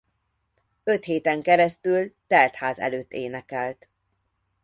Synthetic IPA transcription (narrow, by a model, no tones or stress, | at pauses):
ø̞t̪heːt̪ɛŋkɛɾɛst̪ylt̪ɛlt̪haːzɛ̰løːt̪ːeːnɛkɛlt̪